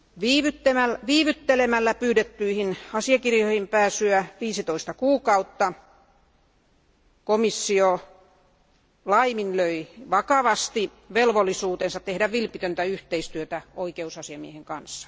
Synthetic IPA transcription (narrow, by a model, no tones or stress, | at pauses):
ʋiːʋyt̪ːemælʋiːʋyt̪ːelemælːæpyːdet̪ːyihinɑsiɑkirjohimpæːsyæʋiːsit̪oist̪ɑkuːkɑut̪ːɑ | komisːio | lɑiminløiʋɑkɑʋɑst̪i | ʋelʋolːˑisuːt̪ensɑt̪t̪ehdæʋʋilpit̪ønt̪æyht̪eist̪yøt̪æoikeusɑsiɑmieheŋkɑnsːɑ̥